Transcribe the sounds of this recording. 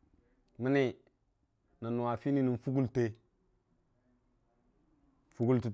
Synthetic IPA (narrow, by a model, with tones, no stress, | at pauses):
mi˦ni˦ | na˨nu˨wa˨fi˦ni˦ni˨n˨fu˦ɡu˦lte˦ | fu˦ɡu˦lti˨